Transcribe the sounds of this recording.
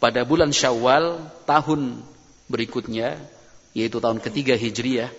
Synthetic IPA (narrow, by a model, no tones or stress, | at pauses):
padabulanʃawalt̪aɦʊn | bəɾikʊt̪̚ɲa | jait̪ut̪aɦʊnkət̪iɡaɦid͡ʒɾijah